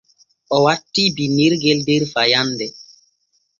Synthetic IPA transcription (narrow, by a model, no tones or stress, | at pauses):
ɔwatːibiniɾɡeldeɾfajandɛ